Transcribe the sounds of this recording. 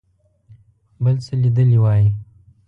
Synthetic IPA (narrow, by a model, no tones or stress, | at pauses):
bəlsəlid̪əliwɑːji